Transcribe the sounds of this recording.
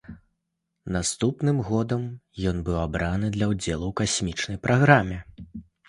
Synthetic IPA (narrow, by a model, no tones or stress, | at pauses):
nast̪upnɨmɣɔd̪ɐmjɔnbɨwabɾanɨd̪lʲɐwd͡zʲɛlˠuwkasʲmʲit͡ʂnɐjpɾʔaɣɾamʲɛ